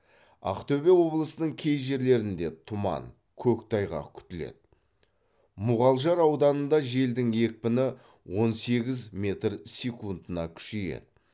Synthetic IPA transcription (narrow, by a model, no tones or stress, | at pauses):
ɑ̰qt̪ʰɵbe̞wo̞blˠəsənəɴkʲʰejʒe̞ɾle̞ɾɪnd̪e̞t̪ʰʊmɑ̰ŋ | kʲʰɵkt̪ʰɑjʁɑ̰kʲʰʏ̥t̪ɪlḛd̪̥ɪ | mʊʁɑlˠʒɑɾɑwd̪ɑnənd̪ɑʒe̞ld̪ɪŋje̞k̚ʲpɪnɪ | wo̞nse̞ɡʲɪzmʲe̞t̪rsʲekund̪ənɑkʲʰʏ̥ʃeje̞̰d̪ɪ